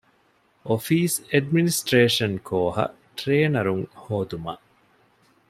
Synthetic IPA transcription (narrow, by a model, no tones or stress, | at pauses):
ʔofiːseɖminisʈɾeːʂɐnkʰoːɦɐ̰ | ʈɾeːnɐɾuŋhoːd̪umɐ̰ʔ